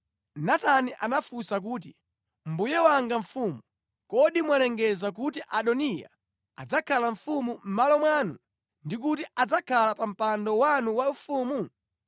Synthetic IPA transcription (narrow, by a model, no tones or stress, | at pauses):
nataniʔanafusak̬uːt̬i | m̩bujɛwaŋɡaɱfumu | kɔɗimwalɛŋɡɛzak̬utiʔaɗɔnija̰ | ad͡zakʰalaɱ̩fumum̩malɔmwaːnu | ndik̬utiʔad͡zakʰalapam̩pandɔwanuwaufuːmu